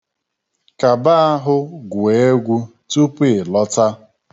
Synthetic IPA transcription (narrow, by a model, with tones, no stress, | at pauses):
ka˨ba˦a˦ɦʊ˦ɡwe˨e˦ɡʷu˦ | tu˦pe˨lɔ˦ta˦